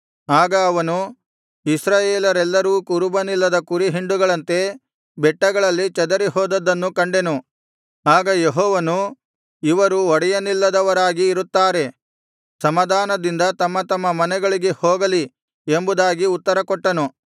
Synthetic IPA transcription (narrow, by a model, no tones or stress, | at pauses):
aːɡɐːʋɐnu | isɾaːjeːlɐɾɛlːɐɾuːkuɾubɐnilːɐd̪ɐkuɾiɦiɳɖuɡɐɭɐnt̪e̞ | bɛʈːɐɡɐɭɐlːit͡ʃɐd̪ɐɾiɦɔːd̪ɐd̪ɐnːukɐɳɖe̞nu | aːɡɐjeɦɔːʋɐnu | iʋɐɾuɔɽɛjɐnilːɐd̪ɐʋɐɾaːɡiːɾut̪ːaːɾe̞ | sɐmɐd̪ʱaːnɐd̪ind̪ɐt̪ɐmːɐt̪ɐmːɐmɐnɛɡɐɭiɡe̞hɔːɡɐli | embud̪aːɡiut̪ːɐɾɐkɔʈːɐnu